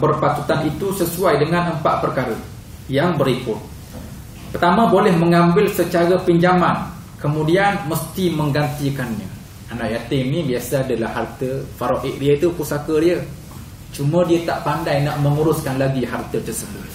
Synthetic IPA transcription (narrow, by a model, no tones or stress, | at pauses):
bərpat̪ut̪anit̪usəsuajdəŋãnəmpaʔ̚pərkaɾə | jaŋbəɾikʊt̪̚ | pərt̪amãbolɛhməŋãmbɪlsət͡ʃaɾapiɲd͡ʒaman | kəmũdianməst̪iməŋɡant̪ikanɲə̃ | anaʔjat̪ɪŋnibiasaadalahːart̪əfaɾoʔɪk̚diət̪upusakədiə | t͡ʃumə̃diat̪aʔpandajnaʔməŋuɾʊskanlaɡiɦart̪ət̪ərsəbʊt̪̚